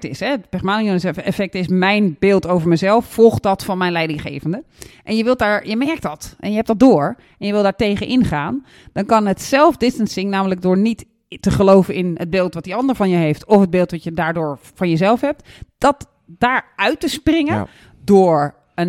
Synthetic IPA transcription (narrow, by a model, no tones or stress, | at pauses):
tɪsɦɛpɛχmaːnionəsɛɛfɛk̚tɪsmɛjnbɪːlˠtowvəɹməzɛlˠfːɔlˠχt̚dɑtfɑnmɛjnlɛjdɪŋχḛːvəndə | ʔɛnjəʋɪlˠdaːɹjəmɛɹk̚tdɔtʔɛ̰njəɦɛp̚d̥ɔt̚dʊːɹ | ʔɛnjəʋɪlˠdaːɹtejɣənʔɪnχaːn | d̥ɔnkɑnɦətsɛlˠfdɪstənsɪŋnaːmələk̚dʊːɹnitː | əχəlowvənɪnəd̚bɪːlˠtʋɑt̚diɑndəɹvɑnjəɦejftɔfɦəd̚bɪːlˠtʋɑtjədaːɹdʊːɹfɑnjəzɛlˠfɦɛp̚td̥ɔt | d̥aːɹœɥtəsprɪŋə | dʊːɹ | ən